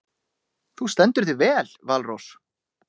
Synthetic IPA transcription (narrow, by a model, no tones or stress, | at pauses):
θust̪ɛnt̪ʏɾ̥θɪvɛːlvalrows